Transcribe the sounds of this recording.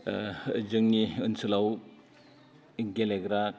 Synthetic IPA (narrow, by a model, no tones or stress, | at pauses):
zɯŋniɯnsulaw | ɡeleɡɾa